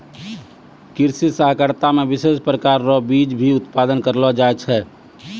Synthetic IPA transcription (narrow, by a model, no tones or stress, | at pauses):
kɪɾsit̪səɦkəɾt̪amẽbɪseːspɾəkaːɾːɔbiːd͡ʒbʱiʊt̪pad̪ənkəɾlɔd͡ʒaɛt͡ʃʰɛː